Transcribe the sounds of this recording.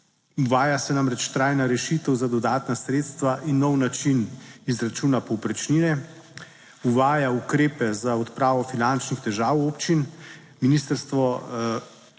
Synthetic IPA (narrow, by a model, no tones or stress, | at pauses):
uʋaːjasɛnamɾɛt͡ʃt̪ɾajnaɾɛʃit̪əwzad̪ɔd̪aːt̪nasɾeːt̪st̪ʋaʔinːɔwnat͡ʃinizɾat͡ʃuːnapɔwpɾɛt͡ʃninɛ | uʋaːjaukɾeːpɛzaɔt̪pɾaːʋɔfinant͡ʃnixt̪ɛʒaːwoːpt͡ʃin | minist̪əɾst̪ʋɔ